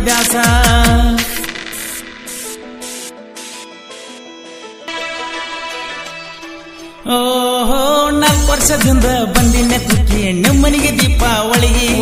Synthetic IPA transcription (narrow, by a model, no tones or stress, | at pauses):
d̪jaːsɐ | oːɦonaːkpɐɾʃɐd̪ind̪ɐbɐnd̪inːet̪uʈːinimːɐniɡed̪iːpːɐʋɐɭiɡi